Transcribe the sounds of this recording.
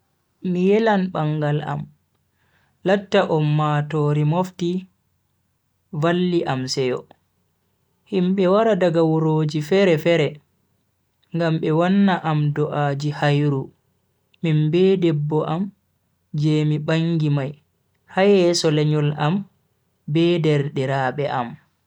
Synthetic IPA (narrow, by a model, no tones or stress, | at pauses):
mijɛlanɓaŋɡala̰m | latːaʔɔmːaːtɔːɾimofti | valːiʔamsɛjɔ | himɓɛwaɾadaɡawuɾoːd͡ʒifɛɾɛfɛɾɛ | ŋɡambɛwanːaʔamdɔʔaːd͡ʒihajɾuː | imbɛdɛbːɔʔam | d͡ʒeːmiɓaŋɡimaj | hajɛsɔlɛɲɔlam | bɛːdɛɾɗɛɾaɓɛʔam